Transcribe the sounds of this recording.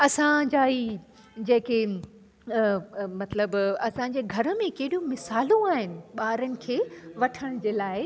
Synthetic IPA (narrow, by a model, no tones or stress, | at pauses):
ɐsãd͡ʑaːiː | d͡ʑɐ̃ɦɪ̃ke | mɐt̪ləbɐsãɲd͡ʑeːɡʱɐɾə̆mẽkɐɦɪɗijumɪsaːlõaːɦɪnɪ̆ɓaːɾənɪ̆kʰeːʋɐʈʰəɽ̃d͡ʑeːlaːɪ